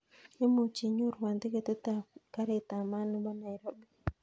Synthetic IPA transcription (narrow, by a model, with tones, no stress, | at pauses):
e˦mo˨t͡ʃi˨ɲu˦ɾwa˨nd̪e˦ke˦t̪o˦t̪a˨ka˦ɾe˦˨t̪a˨ma˦n˦ba˦na˨jɾo˦bi˦